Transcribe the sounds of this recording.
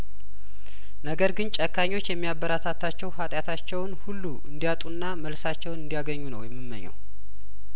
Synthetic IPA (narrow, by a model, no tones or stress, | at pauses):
nəɡəɾɡɨnt͡ʃʼəkʰːaɲːo̞t͡ʃːjɛmːijabːəɾat̪ʰat̪ʰat͡ʃːɛwhat̪ʼjat̪ʰat͡ʃːɛwnhulːuʔɨ̰nd̪ijat̪ʼunːaməlsat͡ʃːɛwnɨnd̪ijaɡəɲːunə̰wjɛmːɨmːə̰ɲːɛ̰w